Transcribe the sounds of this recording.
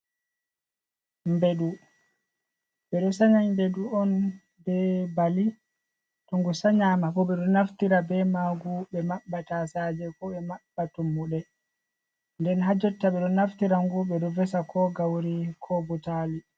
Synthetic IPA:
mbeɗu | ɓɛɗɔsaɲaɲmbeɗuɔn | bɛbali | tɔŋɡusaɲaːmafɔɓɛɗɔnaftiɾabɛmaɡuɓɛmaɓːatasad͡ʒɛkɔɓɛmaɓːatumːuɗɛ | ndɛnɦad͡ʒɔtːaɓɛɗɔnaftiɾaŋɡuɓɛɗɔvɛsakʰɔɡawɾikʰɔbutali

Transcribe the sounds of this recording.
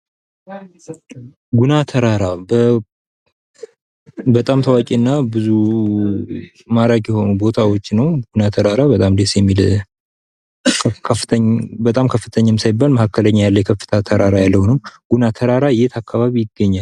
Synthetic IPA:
ɡunat̪ʰəɾaɾabə | bət̪ʼamt̪ʰəwakʼiɨnːabɨzu | maɾakʼjɛho̞nubo̞t̪ʰawo̞t͡ʃːnəwɡunat̪ʰəɾaɾabət̪ʼamd̪esjɛmːil | kʰəfːɨt̪ʰəɲbət̪ʼamkʰəfːɨt̪ʰəɲːamsajbːalməhakːələɲːajalːəjɛkʰəfːɨ̥t̪ʰat̪ʰəɾaɾajalːəhnɨmɡ̥unat̪ʰəɾaɾajet̪ʰakːaβaβijɪɡːəɲːal

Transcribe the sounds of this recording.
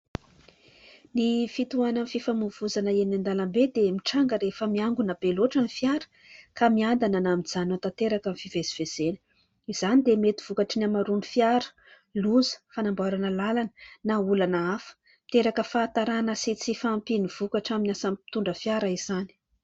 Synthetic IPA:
nifit̪uananfifamuv̥uzanəenand̪alambed̪emiʈ͡ʂaŋɡəɾefəmiaŋɡunab̥eloʈ͡ʂanifjaɾə̥ | kamiand̪ananamid͡zanat̪at̪eɾakanfiveziv̥ez̥enə̥ | iz̥anid̪emet̪i̥v̥ukaʈ͡ʂənamaɾunifjaɾə̥ | luzə̥fanambaɾanəlalanənaulanəafə̥ | t̪eɾakəfaːt̪aɾanəsit͡sifampiniv̥ukaʈ͡ʂaminʲasampi̥t̪uɳɖ͡ʐəfjaɾaiz̥ani̥

